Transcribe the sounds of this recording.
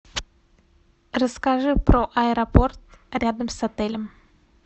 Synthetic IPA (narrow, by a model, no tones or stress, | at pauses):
rəskaʐɨpɾoʔɐɛɾɐport̪rʲad̪əmsɐt̪ɛlʲɪm